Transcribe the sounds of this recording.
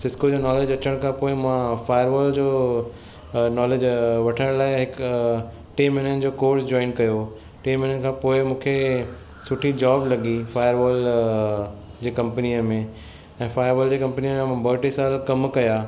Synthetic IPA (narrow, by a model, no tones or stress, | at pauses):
sɪskod͡ʑoːnɔːleːd͡ʑɐt͡ɕəɽ̃kʰãːpoːɪmãfaːjəɾʋɔːld͡ʑoː | nɔːleːd͡ʑʋɐʈʰəɽ̃laːɪɦɪk | ʈiːmɪnənɪ̆d͡ʑoːkoːɾsd͡ʑɔːɪnkɐjo | ʈiːmɪnənɪ̆kʰãːpoːɪmũːkʰe | sʊʈʰid͡ʑaːblɐɠifaːjəɾʋɔːl | d͡ʑeːkɐ̃mpəniəmẽ | ɛ̃ːfaːjəɾʋɔːld͡ʑeːkɐ̃mpnijəmẽmãbɐʈisaːlkɐmkɐjaː